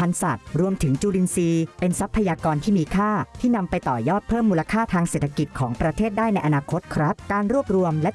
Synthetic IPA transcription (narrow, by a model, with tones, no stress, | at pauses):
pʰa˧nsa˨˩t̪̚ɾu˧əmt̪ʰɯ˩˦ŋt͡ɕuː˧li˧nsiː˧pe˧nsa˦˥pʰːa˧jaː˧kɔː˧nt̪ʰiː˥˩miː˧kʰaː˥˩t̪ʰiː˥˩na˧mpa˧jt̪ɔː˨˩jɔː˥˩t̪̚pʰɤː˥˩mːuː˧la˧kʰaː˥˩t̪ʰaː˧ŋseː˨˩t̪ʰːa˧ki˨˩t̪̚kʰɔː˩˦ŋpɾa˧t̪ʰeː˥˩t̪̚daː˥˩jna˧jʔa˧naː˧kʰo˦˥t̪̚kʰɾa˦˥p̚kaː˧nɾu˥˩əp̚ɾu˧əmlɛ˦˥